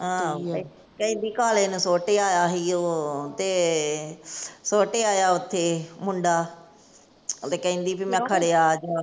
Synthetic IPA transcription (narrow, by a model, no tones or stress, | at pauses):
ɦãː | kəĩːnd̪iːkaːlẽːnũːsoːʈeːaːjaːɦiːoːt̪eː | soːʈeːaːjaːʊt̪ʰːeːmʊɳɖaː | t̪eːkəĩːnd̪iːpimɛ̃ːkʰəɽeːaːd͡ʒaː